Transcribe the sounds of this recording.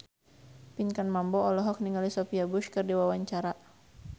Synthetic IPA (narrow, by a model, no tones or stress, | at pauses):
piɲkanmambɔɔlɔɦɔk̚niŋɡalisɔfiabuʃkɨrdiwawaɲt͡ʃaɾa